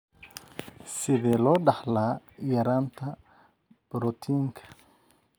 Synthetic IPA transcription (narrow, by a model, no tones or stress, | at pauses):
sɪðɛːlɔːɖɑħlaː | jɐɾaːnt̪ʰɐ | b̥ɾɔt̪ʰiːŋkʰɐ̥